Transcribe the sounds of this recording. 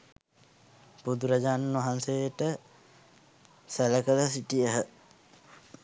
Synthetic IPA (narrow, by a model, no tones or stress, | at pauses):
pud̪uɾad͡ʒaːnʋaɦansejʈə | sæləkələsiʈijəɦə